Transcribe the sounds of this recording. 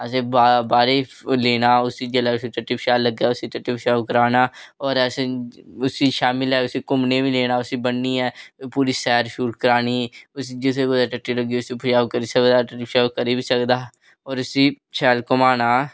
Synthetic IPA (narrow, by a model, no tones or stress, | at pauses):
ɛːseːbabaːɾeː | leːnaːʊsiːd͡ʒeːlɛːʊsiːʈəʈːiːpʰʃaːlːəɡaːʊsiːʈəʈːiːpʰəʃaːkəɾaːnaːɔːɾɛːseʊsiːʃaːmɪlɦɛːʊsiːkʊmneːbiːleːnaːʊsiːbənːiːɛːpuːɾiːsɛːɾʃuːʈkəɾaːniːʊsiːd͡ʒɪseːɡʊd̪aːʈəʈːiːləɡiːʊsiːpəʃaːkəɾiːsekːd̪aːʈəʈːiːpʰʃaːkəɾiːbiːsəkd̪aː | ɔːɾʊsiː | ʃʰɛːlkʊmaːnaː